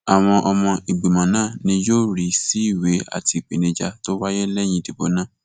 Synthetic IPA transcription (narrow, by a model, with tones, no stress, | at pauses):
a˨w̃ɔ̃˧ʔɔ˧mɔ̃˧ʔi˨ɡ͡be˨mã˨nãː˦˨nĩ˧jo˦˨ɾi˨˦si˨˦i˦˨we˨˦a̰˦˨ti˧˨k͡pe˨nĩ˨˧d͡ʒa˧to˦wa˦je˦lɛ˦˨j̃ĩ˧˦di˨bo˨˦nãː˦˨